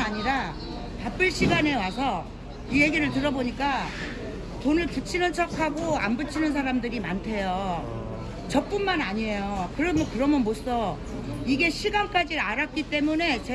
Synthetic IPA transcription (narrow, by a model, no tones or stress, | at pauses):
aɲiɾa | pap͈ɯɭɕʰiɡane̞wasʰʌ | ije̞ɡiɾɯɭt̬ɯɾʌboɲik͈a | tonɯɭput͡ɕʰinɯnt͡ɕʰʌkʰaɡoa̰mbɯt͡ɕʰinɯns̬ʰaɾamdɯɾimantʰe̞jo | t͡ɕʌp͈unmanaɲie̞jokɯɾʌmʌkɯɾʌmjʌnmos͈ʌ | iɡe̞ɕʰiɡank͈ad͡ʑiaɾak̚k͈it͈e̞mune̞t͡ɕe